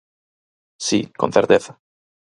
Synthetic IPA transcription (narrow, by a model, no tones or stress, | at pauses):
sḭkon̟θeɾt̪eθa